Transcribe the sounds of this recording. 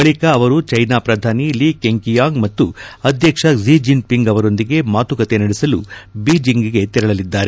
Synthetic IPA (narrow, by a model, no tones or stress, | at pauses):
bɐɭikɐːʋɐɾut͡ʃɐjnaːpɾɐd̪ʱaːniliːkeŋkijaːŋɡmɐt̪ːuɐd̪ʱjɐkʂɐziːd͡ʒinpiŋɡɐʋɐɾo̞nd̪iɡe̞maːt̪ukɐt̪e̞nɐɽisɐlubiːd͡ʒiŋɡiɡe̞t̪iɾɐɭɐlid̪ːaːɾe